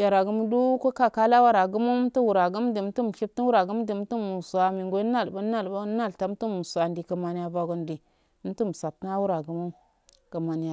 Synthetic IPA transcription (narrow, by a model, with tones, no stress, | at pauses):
ja˨ɾa˨ɡu˦m˦du˦ko˦ka˦ka˦la˦wa˦ɾa˨ɡu˦mu˦m˦tu˦wu˨ɾa˨ɡu˦mdi˨m˦tu˦m˨ʃi˦b̚ti˦wu˦ɾa˨ɡu˦m˦di˨˦tu˦mu˨su˨a˨mi˨ŋɡo˦na˦˨lba˦na˦˨lba˦na˦˨lta˨˦m˦tu˦mu˨su˨a˨ndi˨kə˨ma˨ni˦ja˨va˨ɡu˦ndi˨˦ | m̩˦tu˦m˨sa˨p̚tna˦wu˦ɾa˨ɡu˨˦mu˦ | ka˨ma˨ni˨ja˨